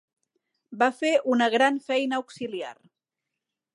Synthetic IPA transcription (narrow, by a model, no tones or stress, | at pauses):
bafeʔunəɣ̞ɾanfɛjnəuksilia̰r